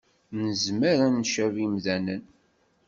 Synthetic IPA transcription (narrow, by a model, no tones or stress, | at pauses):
nəzməɾænʃævimðænən